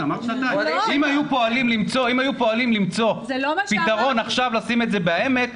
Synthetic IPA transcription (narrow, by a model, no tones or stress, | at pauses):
amaʁat̪ajimajupo̞alimlimt͡so̞imajupo̞alimlimt͡so̞pit̪aʁo̞naχʃavlasime̞tze̞beaeme̞t